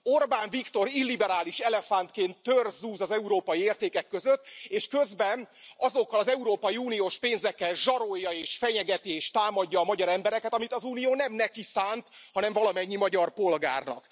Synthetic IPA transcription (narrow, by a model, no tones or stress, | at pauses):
o̞rbaːɱvikt̪o̞ɾilːibɛɾaːliʃɛlɛfant̪keːnt̪ːørzuːzɒzɛuɾoːpɒjieːrt̪eːkɛkːøzøt̪ːeːʃkø̞zbɛnɒzo̞kːɒlɒzɛuɾoːpɒjiuːnijoːʃpeːnzɛkːɛlʒɒɾo̞jːɒeːʃfɛɲɛɡɛt̪ieːʃt̪aːmɒɟːɒːmɒɟɒɾɛmbɛɾɛkɛt̪ɒmit̪ɒzuːnijoːnɛmnɛkisaːnt̪hɒnɛɱvɒlɒmɛɲːimɒɟɒrpo̞lɡa̰ːrnɒ̰k